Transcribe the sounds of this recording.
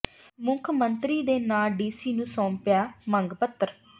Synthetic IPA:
mʊ̃kʰmənt̪ɾiːd̪eːnaːlɖiːsiːnũːsɔ̃ːmpjaːməŋɡpət̪ːəɾ

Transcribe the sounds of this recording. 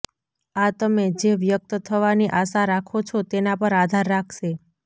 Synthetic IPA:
at̪əmed͡ʒeʋjək̚t̪ət̪ʰəʋaniʔaʃaɾakʰot͡ʃʰot̪enapəɾad̪ʱaɾːakʰʃe

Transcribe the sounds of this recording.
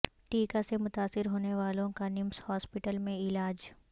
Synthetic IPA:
ʈiːkasemʊt̪aːsɪɾɦoːneʋaːlõkanɪmshɔːspɪʈəlmẽɪlaːd͡ʒ

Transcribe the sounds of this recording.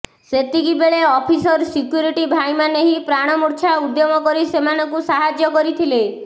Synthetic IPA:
set̪ikibeɭeɔpʰisɔɾsikjuɾiʈibʱajmaneɦipɾaɽ̃ɔmuɾt͡ʃʰaud̪jɔmɔkɔɾisemanɔkusaɦad͡ʒjɔkɔɾit̪ʰile

